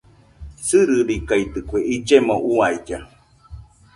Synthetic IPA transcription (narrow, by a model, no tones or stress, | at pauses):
sɨɾɨɾikait̪ɨkʷeid͡ʒemoʔuaid͡ʒa